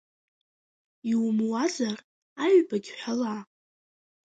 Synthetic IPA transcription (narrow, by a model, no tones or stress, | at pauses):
iwmwazar | aɥbaɡʲħʷala